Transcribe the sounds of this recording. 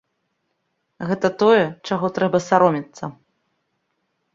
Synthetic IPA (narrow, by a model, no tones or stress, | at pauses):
ɣɛt̪ɐt̪ɔjɛt͡ʂaɣɔt̪ɾɛbɐsaɾɔmʲit̪sːɐ